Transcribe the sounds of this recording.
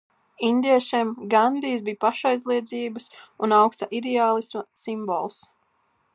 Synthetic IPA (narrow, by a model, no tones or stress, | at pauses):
ind̪iɛʃimɡand̪iːsbiːpaʃajzlˠiɛd̪ziːbəsunawkst̪aʔid̪ɛaːlˠismasimbɔ̰lˠs